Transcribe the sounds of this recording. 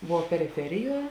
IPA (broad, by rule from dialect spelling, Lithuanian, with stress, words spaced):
ˈʋuɔ pʲɛrʲɪˈfʲæːrʲɪˌjuɔ